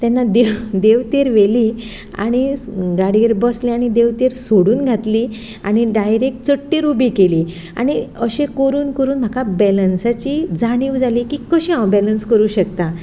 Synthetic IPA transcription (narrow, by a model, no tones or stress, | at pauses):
t̪janːad̪ed̪eʋt̪eɾʋeli | a̰ɽ̃iɡaɽiːɾbəsliaɽ̃id̪eʋt̪eɾsoɽuːnɡʱat̪liː | aɽ̃iɖajɾek̚ʈ̚t͡səʈːiɾubikeliː | a̰ɽ̃iəɕẽkəɾuːnkəɾuːnm̤akabɛlənsat͡ɕid͡zaɽ̃iʋd͡zaliːkiːkəɕĩãbɛlənskəɾuːɕəkt̪a